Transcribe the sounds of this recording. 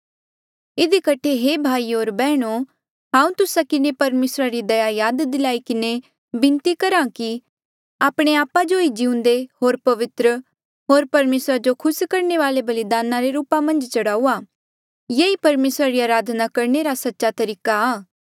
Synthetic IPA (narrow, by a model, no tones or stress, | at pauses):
ɪd̪ikɐʈʰeɦeːbʱaːioːɾbɛːɽ̃o | ɦãːũt̪ʊsakɪnepɐɾmeːsɾaɾid̪ɐjaːjaːd̪d̪ɪlaːikɪne | bɪ̃nt̪ikɐɾãki | aːpɽ̃eaːpːad͡ʒoid͡ʒɪʊ̃nd̪ehoːɾpɐʋɪt̪ɾə | ɦoːɾpɐɾmeːsɾad͡ʒokʰʊskɐɾneʋaːlebɐlɪd̪aːnãɾeɾuːpamɐ̃nd͡ʒt͡ʃɐɽaːuaː | jeipɐɾmeːsɾaɾiaːɾaːd̪ʱnakɐɾneɾasɐtːʃat̪ɐɾiːkaaː